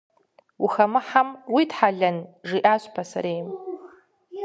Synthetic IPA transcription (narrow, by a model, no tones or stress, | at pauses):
wuxamɨħamwidħaɮʲanʐiʔaʃʷpʰasa̰ɾejm